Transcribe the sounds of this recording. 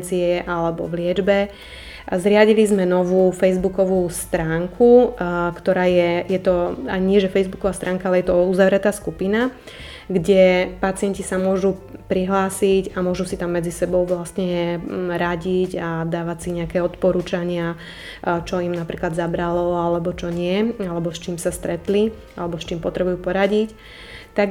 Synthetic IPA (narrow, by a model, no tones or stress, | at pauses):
t͡siɛʔalɛbɔ̰ʋlɪɛd͡ʒbɛ | zɾɪaɟilizmɛnɔʋuːfɛjzbukɔʋuːst̪ɾaːŋkʰukt̪ɔɾaːjɛjɛt̪ɔaɲɪɛʒɛfɛjzbukɔʋaːst̪ɾaːŋkaalɛjɛt̪ɔuzaʋɾɛt̪aːskupina | ɡɟɛpat͡sɪɛncisamʊɔʒupɾiɦlaːsicamʊɔʒusit̪amːɛd͡zisɛbɔʊʋlast̪ɲɛɾaɟiɟad̪aːʋacsiɲɛakɛːɔt̪pɔɾuːt͡ʃaɲɪa | t͡ʃɔimnapɾiːklad̪zabɾalɔalɛbɔt͡ʃɔɲɪɛalɛbɔst͡ʃiːmsast̪ɾɛt̪li | alɛbɔst͡ʃiːmpɔt̪ɾɛbujuːpɔɾaɟic | t̪aɡ